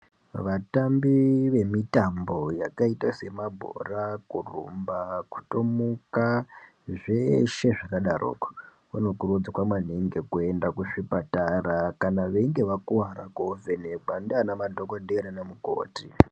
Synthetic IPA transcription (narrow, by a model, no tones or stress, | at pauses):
ʋatambiʋe̞mitambo̞jakaitase̞mabʱo̞̰rakurṵmbaku̥to̞muka | ʐeʃe̞ʐakaɗaro̰ːko̥ | ano̞kurud͡zakwaman̤iŋɡe̞kue̞ndakuʂipataɾakanaʋe̞ŋɡe̞ʋakuaɾa̰koveneɡʱwandeanamadʱokodeɾanamuko̰ːti